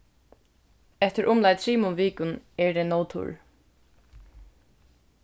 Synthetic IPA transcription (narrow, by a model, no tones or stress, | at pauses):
ɛht̪ɪɾʔʊmlajt̪ʰɾiːmʊnviːkʊnɛɹd̪ɛːnoːwt̪ʰʊ̰ɹ